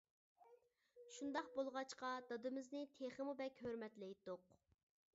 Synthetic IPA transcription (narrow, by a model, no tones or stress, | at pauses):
ʃund̪ɑqbolˠʁɑt͡ʃqɑd̪ɑd̪ɨmɪznɪt̪ʰeχəmubɛkʲhøɾmɛt̪lɛjd̪oq